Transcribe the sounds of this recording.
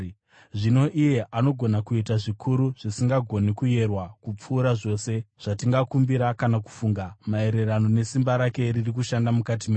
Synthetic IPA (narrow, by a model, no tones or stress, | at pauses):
ʐino̞ʔije̞ʔano̞ɡʱo̞nakuitaʐikʰuɾuʐ̥isiŋɡaɡʱo̞nikuje̞rwakup͡fuːɾaʐo̞ːse̞ʐ̥atiŋɡakumbiɾakanaku̥fuːŋɡamae̞ɾe̞rano̞ne̞simbaɾake̞ririk̬uʃandamukat̬imeː